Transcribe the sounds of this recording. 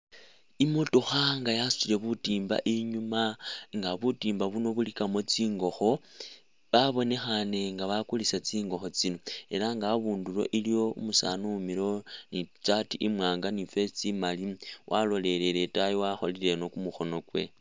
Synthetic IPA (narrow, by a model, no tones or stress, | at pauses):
imotoxaŋɡajasu̥t͡ʃile̞βutimba̰ʔiɲumaŋɡaβutiːmbaβuno̞βulikamot͡siːŋɡo̞xo̞ | βaβo̞ne̞xane̞ŋɡaβakulisat͡siːŋɡo̞xo̞t͡sino̞e̞laŋɡaβuːndulo̞̰ʔilijo̞umusa̰nuumiɾo̞nit͡satiʔimwaːŋɡanife̞t͡simaliwʔalo̞le̞leɾetajowaxolile̞no̞kumuxo̞no̞kwe̞̰